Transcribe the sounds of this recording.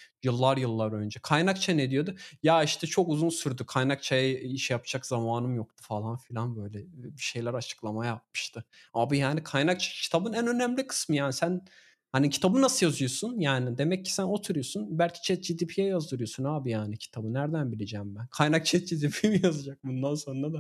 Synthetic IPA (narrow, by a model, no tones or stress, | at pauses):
jɯlˠːaɾjɯlˠːaɾø̞nd͡ʒɛkʰajnakt͡ʃʰaned̪ijo̞d̪ujaiʃt̪ʰɛt͡ʃʰo̞kuzunsyɾd̪ykʰajnak̚t͡ʃʰajaiʃjapʰd͡ʒakz̥amaːnɯmjo̞kt̪ʰu̥falˠanfilʲanbø̞jlʲɛbiʃe̞jlʲæɾat͡ʃʰɯ̥klˠamajap̚mɯ̥ʃt̪ʰɯaːbijaːnikʰajnak̚t͡ʃʰḁcʰi̥t̪ʰabɯnænø̞næmlʲikʰɯ̥smɯjaːnisæn | hanicʰi̥t̪ʰabɯnasɯjazɯjo̞sunjaːnid̪e̞mɛcʰːi̥sæno̞t̪ʰuɾujo̞sunbælʲcʰi̥t͡ʃʰɛt̪̚d͡ʒid̪ipʰijɛjazd̪ɯɾujo̞sunaːbijaːnicʰi̥t̪ʰabɯnæɾd̪ænbilʲed͡ʒɛːmbænkʰajnak̚t͡ʃʰɛt̪̚d͡ʒid̪ipʰimijazad͡ʒak̚bund̪anso̞nɾad̪a